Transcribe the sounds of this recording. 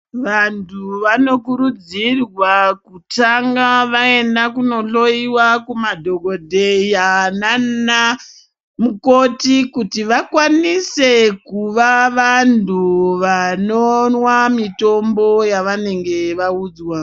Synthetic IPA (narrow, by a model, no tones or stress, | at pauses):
ʋantʰuʋano̞kuɾud͡zirwakutaŋɡaʋae̞ndakuno̞ɬo̞iwakumadʱo̞ɡʱo̞dʱejanana | mukotikutiʋakwanise̞kuʋaʋantuʋanonwamito̞mbo̞jaʋane̞ŋɡe̞ʋauːd͡zwa